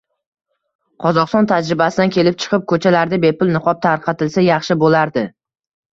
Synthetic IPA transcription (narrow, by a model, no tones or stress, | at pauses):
qʰɒzɒʁst̪ɒnt̪ʰad͡ʒɾɪbasɪd̪ankʲʰe̞lɪp̚t͡ʃʰɨ̥qʰɨp̚kʰɵt͡ʃʰalaɾd̪abe̞pʊlnɨqʰɒp̚t̪ʰaɾqʰɑt̪ɪlsajɑχʃɪbolaɾd̪ɪ